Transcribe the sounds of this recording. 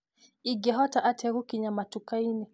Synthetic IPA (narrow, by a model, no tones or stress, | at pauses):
iɡɛɦɔtaʔatʰɛɾukiɲamatukainɛ